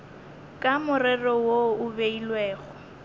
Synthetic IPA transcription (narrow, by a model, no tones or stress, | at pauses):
kʼamʊrɛrɔwoʊbeilweːɣʊ